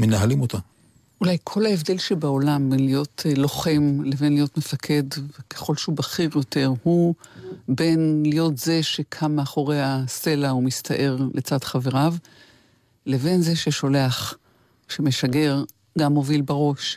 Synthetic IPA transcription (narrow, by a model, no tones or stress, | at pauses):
menaɦalimot̪a | ulajkʰo̞laevd̪e̞lʃebao̞lambenlijo̞tlo̞χe̞mle̞ve̞nlijo̞tmefakʰe̞dvekʰeχo̞lʃehubaχiʁjo̞te̞ʁhu | be̞nlijo̞t̪ze̞ʃekʰamːeaχo̞ʁe̞jase̞laumist̪ʰaʔe̞ʁlʔet͡sad̪χave̞ʁav | le̞ve̞nzeʃeʃo̞leaχ | ʃeme̞ʃaɡe̞ʁ | ɡamːo̞vilbaʁo̞ʃ